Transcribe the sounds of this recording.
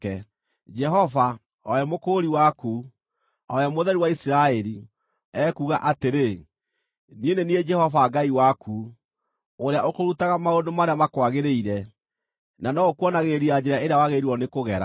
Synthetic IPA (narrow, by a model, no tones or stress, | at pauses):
ɛ | d͡ʒɛɦɔva | ɔjɛmokoːɾiwaku | ɔjamoðɛɾiwaisiɾaɛɾi | ɛkuːɣaʔateɾe | nienenied͡ʒɛhɔvaɡaiwaku | oɾeaʔokoɾutaɣamaondomaɾeamakwaɣeɾeiɾɛ | nanɔokwɔnaɣeɾiad͡ʒɛɾaeɾeawaɣeɾiɔnekoɣɛɾa̰